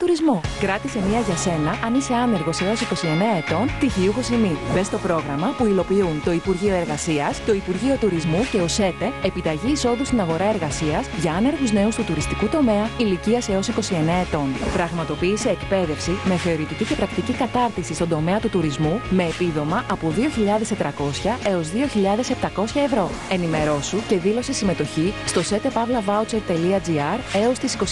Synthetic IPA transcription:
t̪uɾizmokɾɐt̪ise̞miɐʝɐse̞nɐʔɐnise̞ɐne̞ɾɣo̞se̞o̞siko̞sie̞ne̞ɐe̞t̪o̞nt̪iʝiuxo̞simibe̞st̪o̞pɾo̞ɣɾɐmɐpuilo̞piunt̪o̞ipuɾʝio̞e̞ɾɣɐsiɐst̪o̞ipuɾʝio̞t̪uɾizmuce̞ose̞t̪e̞epit̪ɐʝiːso̞ðust̪inɐɣo̞ɾɐe̞ɾɣɐsiɐzʝɐɐne̞ɾɣuzne̞ust̪ut̪uɾist̪ikut̪o̞me̞ɐiliciɐse̞o̞siko̞sie̞neɐet̪o̞npɾɐɣmɐt̪o̞piːse̞ːkpe̞ðe̞fsime̞θe̞o̞ɾit̪icice̞pɾɐk̚t̪icikɐt̪ɐɾt̪isist̪od̪o̞me̞ɐt̪ut̪uɾizmume̞ːpiðo̞mɐʔɐpoðio̞çiʎɐðe̞st̪e̞t̪ɾɐko̞sçɐe̞o̞zðio̞çiʎɐðe̞se̞pt̪ɐko̞sçɐe̞vɾo̞ | e̞nime̞ɾo̞suce̞ðilo̞se̞sime̞t̪o̞çist̪o̞se̞t̪e̞pɐvlɐvɐut͡set̪ːe̞liɐd͡ziɐɾe̞o̞st̪isi̥ko̞

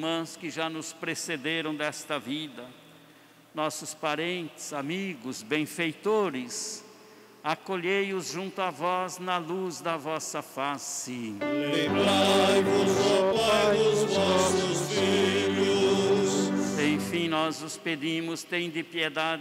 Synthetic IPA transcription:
mɐ̃skɪʒanʊspɾesed̪eɾɐ̃w̃d̪ɛst̪ɐvid̪ɐ | nɔsʊspaɾẽnt̪ɪz̥amiɡʊzbẽj̃fejt̪oɾɪs | akoʎejʊzʒũnt̪ʊavɔznɐluzd̪ɐvɔsɐfasɪlẽbaajvʊzapaajʊzʊvɔɔsʊsfiʎʊsẽj̃fĩnɔzʊsped̪ĩmʊst̪ẽj̃d̪ɪpied̪a

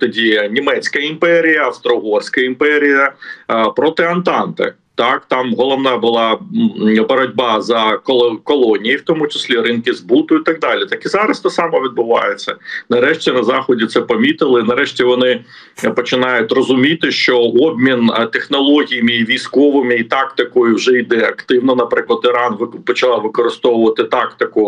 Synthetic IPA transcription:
t̪ɔdʲinʲimɛt͡sʲkɐimpɛɾʲijɐɐst̪ɾɔɦɔrsʲkɐimpɛɾʲijɐpɾɔt̪ɪɐnt̪ɑnt̪ḛ | t̪ɑkt̪ɑmɦɔlˠɔʋnɑbʊlˠɑ | bɔɾɐdʲbɑzɐkɔkɔlˠɔnʲijiwt̪ɔmʊt͡ʃɪ̥sʲlʲiɾɪnkɪzbut̪ʊit̪ɐɡ̚d̪ɑlʲɪt̪ɑkizɑɾɐst̪ɐsɑmɔʋʲid̪̚bʊʋɑ̰jet͡sʲːɐnɐɾɛʃtʲinɐzɑxɔdʲit̪sɛpɐmʲit̪ɪlˠɪnɐɾɛʃtʲiʋɔnɪ | pɔt͡ʃɪnɑjʊtʲrɔzʊmʲit̪ɪʃt͡ʃɔɔbʲmʲint̪exnɔlˠɔɦʲijɐmɪiʋʲijskɔʋɪmɪit̪ɑkt̪ɪkɔjʊwʒɛjd̪ɛɐkt̪ɪwnɐnɐpɾɪklˠɐt̪ɪɾɑnʋpɔt͡ʃɐlˠɑʋɪkɔɾɪst̪ɔwʊʋɐt̪ɪt̪ɑkt̪ɪkʊ

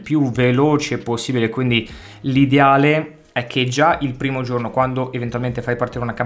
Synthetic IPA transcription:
pjuveloːt͡ʃeposːiːbilekwind̪i | lid̪eaːle | ɛkʰːed͡ʒaʔilpɾiːmod͡ʒornokwand̪oʔevent̪ualment̪efajpaɾrt̪iːɾeunaka

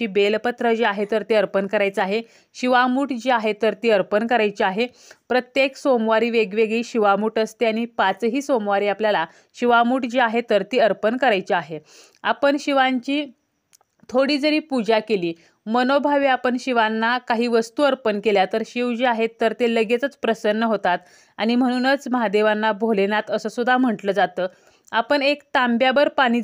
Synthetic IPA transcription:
iːbelpət̪ɾəd͡ʑeaɦet̪əɾt̪eəɾpənkəɾajt͡səaɦe | ɕiʋamuːʈd͡ʑeaɦet̪əɾt̪iːəɾpənkəɾajt͡ɕeaɦe | pɾət̪jeksomʋaɾiːʋeɡʋeɡɭiːɕiʋamuːʈəst̪eaɽ̃ipat͡sɦiːsomʋaɾiːapljala | ɕiʋamuːʈd͡ʑeaɦet̪əɾt̪iːəɾpənkəɾajt͡ɕaɦe | apəɳɕiʋaɲt͡ɕiː | t̪ʰoɽiːd͡zəɾiːpud͡ʑakeliː | mənobʱaʋiapəɳɕiʋanːakaɦiːʋəst̪uːəɾpənkeljat̪əɾɕiʋd͡ʑeaɦet̪ːəɾt̪eləɡet͡sət͡spɾəsənːəɦot̪at̪ | aɽ̃im̤əɽ̃uːnət͡sməɦad̪eʋanːabʱolenat̪əsəːsud̪ʱam̤əʈləːd͡zat̪əː | apəɳekt̪ambjabəɾpaɽ̃iː

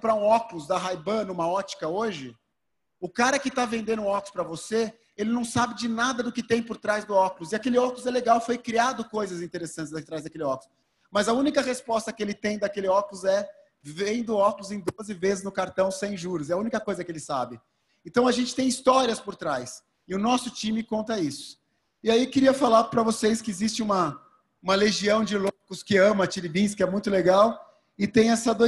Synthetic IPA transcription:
pɾaũɔkulʊzd̪ɐɦajbɐnũmɐɔt͡ʃi̥kɐoʒɪ | ʊkaɾɐkɪt̪avẽnd̪ẽnʊ̃ɔkʊ̥spɾɐvose | elɪnɐ̃w̃sabɪd͡ʒɪnad̪ɐd̪ʊkɪt̪ẽj̃pʊɾt̪ɾajzd̪ʊɔkʊlʊzɪakelɪɔkulʊzɛleɡawfojkɾiad̪ʊkojzɐzĩnt̪eɾesɐ̃nt͡ʃɪzd̪ɐt̪ɾajzd̪ɐkelɪɔkulʊ | mɐzɐũnikɐhespɔst̪ɐkɪelɪt̪ẽj̃d̪akelɪɔkulʊzɛ | vẽj̃d̪ʊɔklʊzẽj̃d̪ozɪvezɪznʊkaɾt̪ɐ̃w̃sẽj̃ʒuɾʊzɛɐũnikɐkojzɐkɪelɪsa̰bɪ | ẽnt̪ɐ̃w̃ɐʒẽnt͡ʃɪ̥t̪ẽj̃ist̪ɔɾiɐspʊɾt̪ɾajs | ɪʊnɔsʊt͡ʃĩmɪkõnt̪ɐisʊ̥ | ɪaiwkɪɾiɐfalaɾpɾɐvoseskɪezist͡ʃɪ̃ũmɐ | ũmɐleʒiɐ̃w̃d͡ʒɪlokʊskɪɐ̃mɐt͡ʃiɾibĩs̬kɪɛmũj̃t̪ʊleɡaw | ɪt̪ẽj̃ɛsɐd̪o

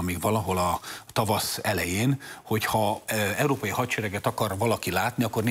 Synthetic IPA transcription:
miɡvɒlɒɦo̞lɒt̪ɒvɒsɛlɛjeːnho̞chɒɛwɾoːpɒjihɒtt͡ʃɛɾɛɡɛt̪ɒkɒrvɒlɒkilaːt̪niɒkːo̞rn

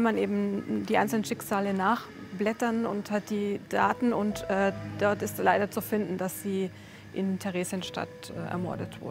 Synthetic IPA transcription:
manʔeːbm̩diːʔaɪnt͡ssl̩nənʃɪkz̥aːlənaːχ | b̥lɛtɐnʊ̰nthat̚d̥iːd̥aːtn̩ʊntʔɛːd̥ɔɐtɪstlaɪɾɐt͡sufɪndn̩dasz̥iː | ʔɪntʰɛʁeːzjənʃta̰t | ʔɛ̰ːʔɛ̰ɐmɔ̰ɐdətv̥ʊ̰ɐdə

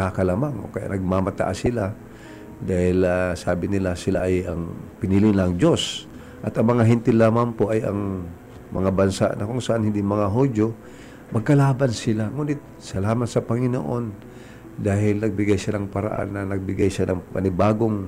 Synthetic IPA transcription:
akɐlamaŋʔo̞̰kɐja̰ʔnɐɡ̚mamɐt̪a̰ʔasɪla | d̪aːhɪlasaːbɪnɪlasɪlaʔɐjɐŋpɪniːlɪnlaŋd͡ʒo̞s | ʔɐt̪ɐŋmɐŋaɦɪnt̪ɪlːaːmampo̞ʔɐjɐ̰ŋ | mɐ̰ŋabɐnsa̰ʔnɐkʊŋsɐʔanhɪnd̪iŋmɐŋaɦod͡ʒjo̞ | mɐɡ̚kɐlaːbansɪlaŋuːnɪt̪̚ | sɐlaːmat̪sɐpɐŋɪno̰ʔo̞n | d̪aːhɪlnɐɡ̚bɪɡajʃanɐŋpɐɾa̰ʔa̰nːɐnɐɡ̚bɪɡajʃanɐŋpɐ̰nɪbaːɡoŋ

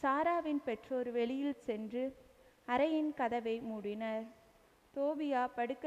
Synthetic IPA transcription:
saːɾaːʋɪnpɛʈroːɾʋɛɭɪjɪlsɛndrɯ | ɐɾɐjɪnkɐðɐʋɐɪmuːɽɪnɐɾ | t̪oːbɪjaːpɐɽɯkː

